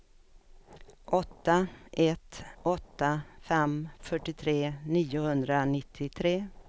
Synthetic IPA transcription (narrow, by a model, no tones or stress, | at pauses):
ʔɔt̪ːaʔɛt̪ɔt̪ːafɛmfœʈːɪt̪ʰɾeːniːʊhɵnd̪ɾanɪt̪ʰːɪt̪ʰɾeː